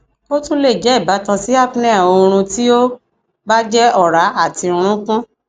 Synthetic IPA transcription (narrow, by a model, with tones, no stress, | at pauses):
o˦tũ˦le˦˨d͡ʒɛ˨˦i˦˨ba˨˦tã˧si˨˦a˦˨pnɛ˦˨o˧ɾ̃ũ˧ti˦o˦ | ba˦d͡ʒɛ˦ɔ˦˨ɾa˨˦a˦˨tĩ˧ɾ̃ũ˦kũ˦